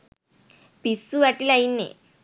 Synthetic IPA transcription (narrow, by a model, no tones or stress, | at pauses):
pisuʋaʈilainːḛ